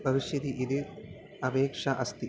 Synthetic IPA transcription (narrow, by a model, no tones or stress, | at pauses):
bɐʋiʃjɐd̪iʔid̪ɨ | ɐbeːkʂɐʔɐst̪i